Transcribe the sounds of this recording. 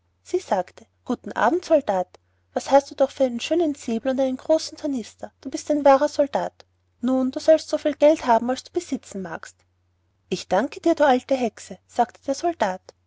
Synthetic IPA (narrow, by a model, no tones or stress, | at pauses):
z̥iːz̥aːktʰəɡ̥uːtn̩ʔa̰ːbm̩tsɔldaːt | v̥ashastd̥uːd̥ɔχfyːɐaɪnənʃøːnənt͡seːbl̩ʊntaɪnənɡ̥ʁoːsn̩tʰɐnɪstʰɐd̥uːbɪstaɪnvaːʁɐzɔld̥aːt | nuːnduːzɔlstz̥ofiːlɡ̥ɛlthaːbm̩alsd̥uːb̥əz̥ɪt͡sn̩maːkst | ʔɪçd̥aŋkəd̥iːɐduːaltəɦɛksəz̥aːktəd̥eːɐzɔld̥aːt